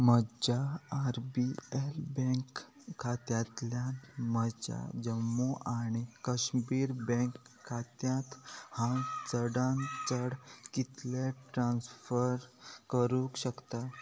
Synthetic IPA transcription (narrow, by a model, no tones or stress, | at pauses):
məd͡ʑaːɾbielbɛ̃ŋkʰː | at̪jat̪ljaməd͡ʑa̰d͡ʑəmːoʔaɽ̃ikəɕbiːɾbɛ̃ŋkʰːat̪jãt̪hãt͡səɽãnt͡səɽkit̪leʈɾãnsfəɾkəɾukɕəkt̪a